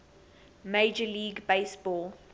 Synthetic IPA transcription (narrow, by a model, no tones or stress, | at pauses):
meɪd͡ʒəliːɡbeɪsb̥ɔːlˠ